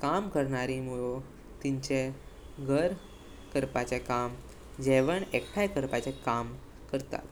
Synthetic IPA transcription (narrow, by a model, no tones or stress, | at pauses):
kamkəɾɳaɾimuɭo | t̪iɲt͡ɕeɡʱəɾ | kəɾpat͡ɕekam | d͡ʑɛʋəɳekʰːajkəɾpat͡ɕekam | kəɾt̪a̰t̪